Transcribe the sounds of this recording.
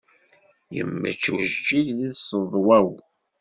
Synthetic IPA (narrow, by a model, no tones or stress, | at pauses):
jə̰mːə̰t͡ʃːuʒd͡ʒːiʝðiðsəðˤwæw